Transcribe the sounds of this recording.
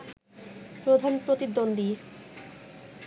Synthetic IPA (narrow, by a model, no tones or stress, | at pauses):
pɾod̪ʱanpɾot̪id̪ːond̪ʱi